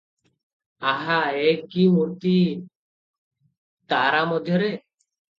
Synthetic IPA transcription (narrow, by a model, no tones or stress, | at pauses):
aɦaekimuɾt̪i | t̪aɾamɔd̪ʱjɔɾe